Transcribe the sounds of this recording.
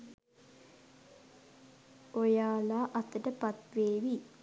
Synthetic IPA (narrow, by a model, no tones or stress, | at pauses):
ojaːlaːʔat̪əʈəpat̪ʋeːʋi